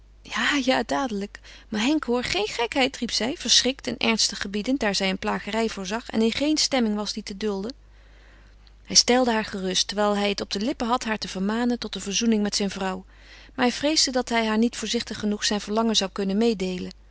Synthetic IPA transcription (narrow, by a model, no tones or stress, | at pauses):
jaːjaːdaːdələkmaɦɛŋkɦoːɹχejnχɛkɦɛjtripsɛjv̥əɹsrɪk̚tɛnʔɛ̰ɹnstəχːəbidəndaːɹzɛjənplaːχərɛjvʊːɹzɑχɛ̰nɪnχejnstɛmɪŋʋɑzditədɵlˠdə | hɛjstɛlˠdəɦaːɹχərɵstɛɹʋɛjlˠɦɛjətɔb̚dəlɪpəɦɑtɦaːɹtəv̥əɹmaːnəntɔtəvəɹzunɪŋmɛtsɛjnvrɑw | maːɹɦɛjvrejzdədɑtɦɛjɦaːɹnitfʊːɹzɪχtəχːənuχsɛjnv̥əɹlɑŋənzɑwkɵnənmejdejlən